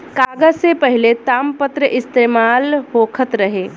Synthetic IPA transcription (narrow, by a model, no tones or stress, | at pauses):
kaːɡəd͡ʒsepəɦɪlet̪aːmpət̪ɾəʔɪst̪eːmaːlhoːkʰət̪ɾəɦeː